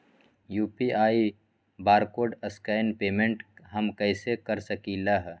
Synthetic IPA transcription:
juːpiʔaːi | baːɾkoːɖɐskaːɪnpeːmẽɳʈɦɐmkɐɪsekɐɾsəkilaɦ

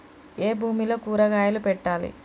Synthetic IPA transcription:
e̞ːbʱuːmilo̞ːkuːɾɐɡaːjɐlupɛʈːaːlḭ

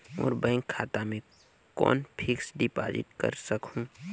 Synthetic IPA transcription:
ɔːɾbaɪŋkʰːaːt̪amẽ | kɔ̰ːnpʰɪksɖɪpa̰ːd͡ʒɪ̰ʈkə̰ɾsəkhũː

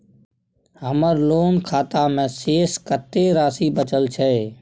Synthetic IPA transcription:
ɦəməɾloːnkʰaːt̪amẽseːskət̪ːeɾaːsibət͡ʃəlt͡ʃʰɛː

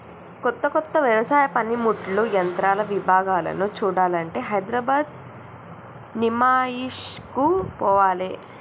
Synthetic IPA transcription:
kɔt̪ːɐkɔt̪ːɐʋjɐʋɐsaːjɐpɐnimuʈlujɐnt̪ɾaːlɐʋibʱaːɡaːlɐ̰nut͡ʃuːɽaːlɐɳʈe̞ːɦɐjd̪ɾɐbaːd̪ | nimaːjiʂkupɔːʋaːle

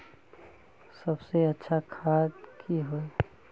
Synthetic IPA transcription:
səbseətːʃʰakʰaːd̪kʰiɦoe

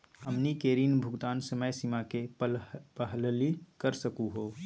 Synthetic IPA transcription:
əmnikeːɾiːnbʱʊɡt̪aːnsəməjsimake | pəɦllikəɾsɐkuɦoː

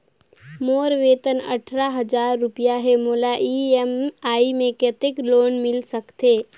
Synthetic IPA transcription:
moːɾʋeːt̪ənə̰ʈʰɾaɦəd͡ʒaːɾːʊpijaɦɛmoːlaʔiemaːimẽkət̪ɪkloːnmɪlsəkt̪eː

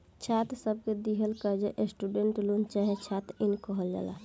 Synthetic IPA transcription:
t͡ʃʰat̪səb̚ʱked̪iɦəlkəd͡ʒeʔesʈuɖeɳʈlunt͡ʃaɦet͡ʃʰat̪inkəɦəld͡ʒa̰la̰

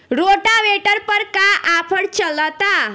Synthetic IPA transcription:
ɾoʈaʋeʈəɾpəɾkaʔapʰəɽt͡ɕələt̪a

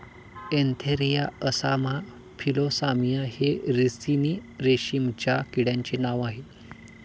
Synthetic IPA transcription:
ent̪ʰeɾijaəsama | fʰilosamijaheɾisiniɾeɕimt͡ɕjakiɽjãɲt͡ɕenaʋaɦe

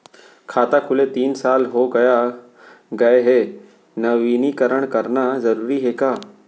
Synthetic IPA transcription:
kʰaːt̪akʰʊlet̪iːnsaːlɦoɡɐja | ɡɐeɦeː | nɐʋiːnikəɾəɽ̃kɐɾnazɐɾuːɾiɦeːkaː

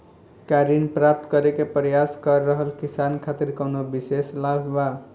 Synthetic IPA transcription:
kaɾinpɾap̚t̪kəɾekepɾjaskʌɾːəɦəlkisankʰat̪iɾkəwnobiseslabʱba

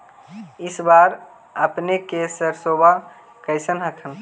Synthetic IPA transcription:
ɪsbaɾ | əpnekesəɾsoba | kəɪsənɦəkʰən

